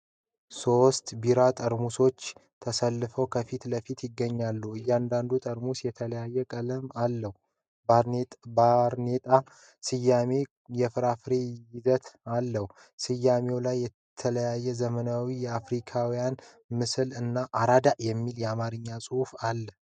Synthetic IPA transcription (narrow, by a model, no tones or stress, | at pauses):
so̞st̪biɾat̪ʼəɾmuso̞t͡ʃːt̪ʰəsəlːɨfəwkʰəfit̪ləfit̪jɪɡːəɲːalːəhɨjːɛand̪and̪ut̪ʼəɾmusjɛt̪ʰələjajːɛkʼələmalːəhu | bbɾnet̪ʼa | sɨjame̞ | jɛfɨɾafɨɾe̞jɪzət̪alːəhu | sɨjːame̞wlajːɛ | t̪ʰələjajːɛzəmənawijɛafɾikʰawijan | mɨsɨlɨnːaʔaɾad̪aʔjɛmːiljɛamaɾɨɲːasʼɨhufalːəh